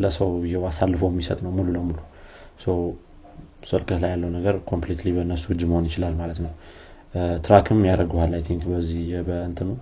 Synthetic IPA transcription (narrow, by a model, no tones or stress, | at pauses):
ləsəwjɛwasalːfəwɛmːisə̰t̪ʼnəwmululəmulu | səw | sɨlkʼət̪lajalːəwnəɡəɾkʰo̞mplet̪libəɨnːəsuhɨd͡ʒməho̞njɪt͡ʃɪlalmalət̪nəw | t̪ɨɾakʰɨmːjaɾəɡuhalːajt̪ʰiŋkbəzːihbəɨnt̪ʰɨnəw